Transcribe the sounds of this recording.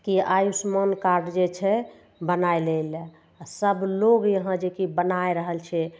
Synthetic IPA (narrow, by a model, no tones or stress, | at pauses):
kiajusmənkaɾɖd͡ʒet͡ʃʰɛ | bənaelel | asəbloɡjəɦə̃d͡ʒekibənaeɾəɦəlt͡ʃʰɛ